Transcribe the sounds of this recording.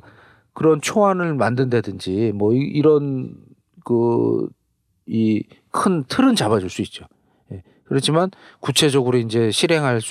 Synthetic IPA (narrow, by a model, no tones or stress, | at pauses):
kɯɾʌnt͡ɕʰoanɯɭmandɯnde̞dɯnd͡ʑimwʌiiɾʌn | kɯ | ikʰɯntʰɯɾɯnt͡ɕabad͡ʑuɭs͈uit̚t͡ɕ͈o | je̞ | kɯɾʌt͡ɕʰimankut͡ɕʰe̞d͡ʑʌɡɯɾoind͡ʑe̞ɕʰiɾɦe̞ŋɦaɭs͈